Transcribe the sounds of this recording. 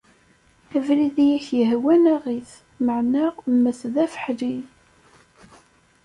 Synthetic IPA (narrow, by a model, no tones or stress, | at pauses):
ævliðjæçjəɦwænæʁiθ | məʕnamːəθðæfə̥ħli